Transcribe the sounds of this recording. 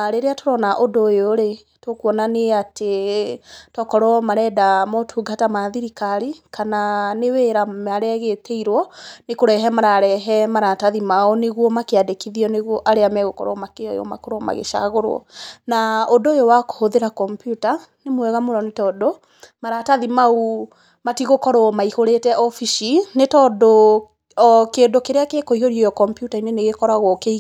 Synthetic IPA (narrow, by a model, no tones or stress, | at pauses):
ɾeɾeatoɾɔnaʔodojoɾe | tokuɔnaneate | tɔkɔɾɔmaɾɛdamɔtʰuɡatamaðiɾikaɾikananeweɾamaɾɛɣetʰɛiɾwɔnekoɾɛɦɛmaɾaɾɛɦɛmaɾataðimaɔneɣwɔmakeadekiðiɔneɣwɔʔaɾeamɛɣokɔ̰ɾɔmakeɔ̰jɔ̰ma̰koɾɔma̰ɣḛʃa̰ɣoɾwɔ̰naodojowako̥hoðeɾakɔmpjutanemwɛɣamonɔnetɔdo | maɾataðimau | matiɣokɔɾɔɔmaihoɾetɛʔɔfiʃinetɔdo | keːndokeɾeakekoihoɾiɔjɔkɔmpjutaineneɣekɔɾaɣwɔke